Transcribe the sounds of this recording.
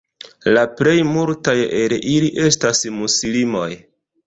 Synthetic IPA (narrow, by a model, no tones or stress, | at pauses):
laple̞jmultajelʔiliʔe̞stasmusilimo̞̰j